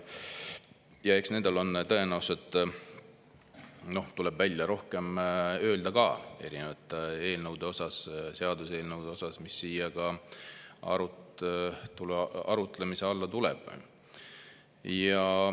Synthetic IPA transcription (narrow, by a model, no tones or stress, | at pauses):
jɑe̞ksne̞nd̪̥ɑlo̞nt̪ɤenæuset̪ːˑ | no̞ht̪ulɛbvælʲːjɑɾo̞hke̞mø̞ːld̪ɑkɑe̞̰ɾinevɑt̪ːˑe̞ːlnɤwd̪̥eo̞sɑsseɑd̪use̞ːlnəwd̪̥e̞o̞sɑsmisːiːjɑkɑ | ɑ̰ɾu | t̪ulɑ̰ɾut̪ˑlemise̞ɑlːɑt̪ulɛ̰b̥ | jɑ